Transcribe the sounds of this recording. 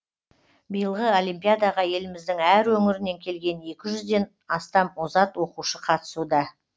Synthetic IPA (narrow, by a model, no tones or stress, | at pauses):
bijəlˠʁəo̞limpijad̪ɑʁɑje̞lɪmɪzd̪ɪŋæɾwɵŋɪɾɪne̞ŋkʲʰe̞lɡʲe̞ne̞kʲɪʒʏzd̪e̞n | ɑst̪ɑmozɑt̪wo̞quʃəqʰɑt̪ə̥sud̪ɑ